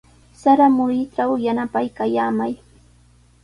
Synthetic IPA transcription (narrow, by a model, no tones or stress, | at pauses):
saɾamʊɾɪʈ͡ʂawjanapajkajaːmaj